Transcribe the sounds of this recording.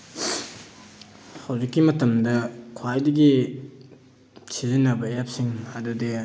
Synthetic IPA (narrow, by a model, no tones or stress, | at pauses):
hɐwzikːimɐtɐmdɐkʰwajdɐɡi | sizinːɐbɐjap̚siŋɐdude